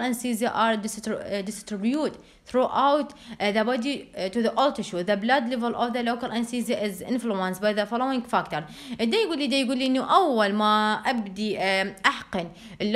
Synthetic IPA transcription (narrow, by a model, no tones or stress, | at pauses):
lãnsiːzjaʔaɾd̪ɪstd̪ɪstɾɪbjuːt̪ | θɾuːʔawt̪ðəbɔd̪it̪uðiʔɔlt̪ɪʃuðəblad̪lɛvəlʔɔvðəloːkalʔansiːzaʔɪzʔɪ̰̃nfluə̃nsbajðəfɔlowɪ̃ŋɡfakt̪əɾ | ʔɪd̪ːejɡuːlːid̪ajɡuːlːiʔɪnːuʔawːalmaʔabd̪iʔaħqɨn | ʔɪlː